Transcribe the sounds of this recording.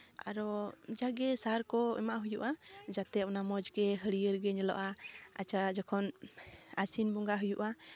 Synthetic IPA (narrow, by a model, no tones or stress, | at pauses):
a̰ɾɔd͡ʒaɡɛsaɾkɔɛ̰maʔɦujuʔad͡ʒat̪ɛɔnamɔd͡ʒɡɛɦəɽijəɾɡɛɲɛlɔ̰ʔaa̰t͡ʃad͡ʒɔkʰɔnasinbɔŋɡaɦujuʔa